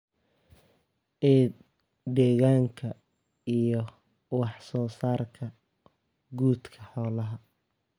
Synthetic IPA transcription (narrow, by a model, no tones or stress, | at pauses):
ɛ | d̪ɛːɣaːŋkʰɐ | ijɔ | wɑħsɔːsaːrkʰɐ | ɡuːd̪kʰɐħɔːlɐɦɐ